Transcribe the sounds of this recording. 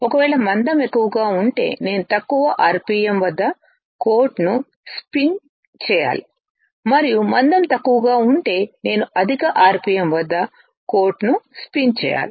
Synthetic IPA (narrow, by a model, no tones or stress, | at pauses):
ɔkɐʋɛːɭɐmɐnd̪ɐmekːuʋɐɡaːuɳʈe̞̰ːne̞ːnut̪ɐkːuʋɐʔaːɾpiːjɐmʋɐd̪ːɐ | ko̞ːɾʈnu | spin | t͡ʃɛːja̰ːli | mɐɾijumɐnd̪ɐmt̪ɐkːuʋɐɡaːuɳʈe̞ːne̞ːnuɐd̪ʱikɐʔaːɾpiːjɐmʋɐd̪ːɐ | koːɾʈnuspint͡ʃɛ̰ːja̰ːli